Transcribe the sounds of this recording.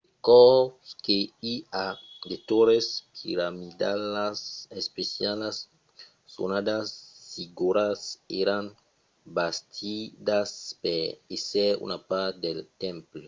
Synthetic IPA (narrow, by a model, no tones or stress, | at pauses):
kɔkeiad̪et̪oɾespiɾamid̪alasespesjalasː | o̰nad̪asfiɡuɾaseɾaŋ | bast̪ʰid̪aspeɾeseɾṵnapaɾtd̪elt̪ẽmple